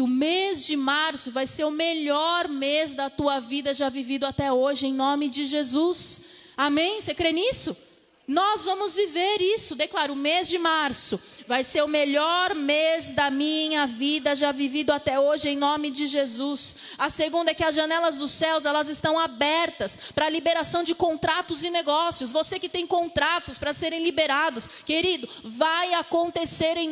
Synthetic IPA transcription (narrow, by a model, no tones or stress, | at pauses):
ʊmezd͡ʒɪmaɾsʊvajseɾʊmeʎɔɾmezd̪ɐt̪uɐvid̪ɐʒavivid̪ʊat̪ɛoʒɪẽj̃nõmɪd͡ʒɪʒezus | amẽj̃sekɾenisʊ | nɔzvɐ̃mʊzviveɾisʊd̪eklaɾʊmezd͡ʒɪmaɾsʊ | vajseɾʊmeʎɔɾmezd̪ɐmĩɲɐvid̪ɐʒavivĩd̪ʊat̪ɛoʒɪẽj̃nõmɪd͡ʒɪʒezus | ɐseɡũnd̪ɐɛkɪɐzʒɐnɛlɐzd̪ʊsɛwzɛlɐzɪst̪ɐ̃w̃abɛɾt̪ɐspɾɐlibeɾasɐ̃w̃d͡ʒɪkõt̪ɾat̪ʊzɪneɡɔsiʊsvosekɪt̪ẽj̃kõnt̪ɾat̪ʊspɾɐseɾẽj̃libeɾad̪ʊskeɾid̪ʊ | vajakõnt̪eseɾẽ